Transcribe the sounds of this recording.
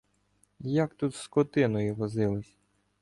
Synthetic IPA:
jakt̪ut̪skɔt̪ɪnɔjiʋɔzɪlˠɪsʲ

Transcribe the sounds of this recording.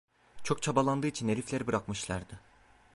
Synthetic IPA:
t͡ʃʰo̞kt͡ʃʰabalˠand̪ɯːit͡ʃʰineɾʲiflʲe̞ɾibɯɾakmɯʃlˠaɾd̪ɯ

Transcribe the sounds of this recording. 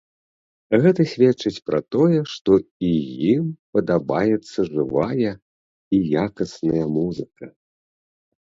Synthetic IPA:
ɣɛt̪ɐsʲvʲɛtt͡ʂɨt͡sʲpɾa̰t̪ɔjɛʂt̪ɔijimpɐd̪abajɛt̪sːɐʐɨvajɐ | ijakɐsnɐjɐmuzɨkɐ

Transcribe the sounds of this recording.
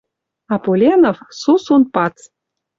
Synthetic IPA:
ɑpolʲenofsusunpɑt͡s

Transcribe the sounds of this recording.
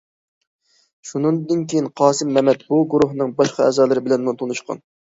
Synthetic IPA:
ʃunɨd̪ɨnkʲʰejinqʰɑːsɨmːɛmɛt̪buɡuɾuɦnɨŋbɑʃqɑɛ̰ːzɑːlˠɨɾɪbɪlɛnmut̪ʰonuʃqʰɑ̰n

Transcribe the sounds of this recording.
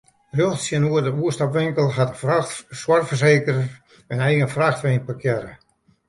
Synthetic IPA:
rjoxtsjənuərdəuəstɔpʋɪŋkəlˠɦatəswartfərseːkərə | ənɛjɣənfraxtʋeːnpəkʰjɛɾə

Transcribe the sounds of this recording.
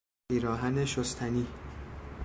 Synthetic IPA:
iːɾɒːɦæneʃost̪ʰæniː

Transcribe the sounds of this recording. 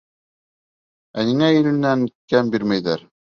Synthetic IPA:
æniŋæɘ̆lɘ̆nːæŋkæmbiɾmæjðæɾ

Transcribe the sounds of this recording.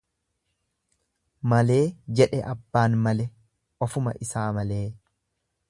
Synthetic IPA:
mɐle̞ːd͡ʒɛᶑɛʔɐbːaːnmɐlɛ | ʔɔfʊmɐ̰ʔɪsaːmɐle̞ː

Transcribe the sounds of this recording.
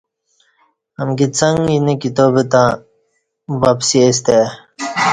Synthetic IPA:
ɐmɡit͡sʰɐŋinikit̪oːbet̪ãː | bapsies̬t̪e

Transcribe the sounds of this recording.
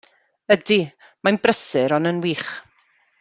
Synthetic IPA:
ədi | manbrəsɨɾɔnənwiːχ

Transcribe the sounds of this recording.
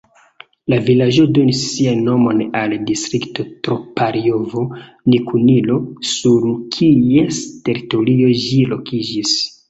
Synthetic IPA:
lavilad͡ʒo̞do̞nisːianːo̞mo̞naldistɾikto̞tɾopaɾio̞vo̞ | nikunilo̞suɾkʰieste̞ɾito̞ɾio̞ʒilo̞̰kid͡ʒis

